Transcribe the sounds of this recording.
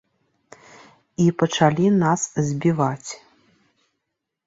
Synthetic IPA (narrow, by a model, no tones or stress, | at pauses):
ipɐt͡ʂalʲinaszʲbʲivat͡sʲ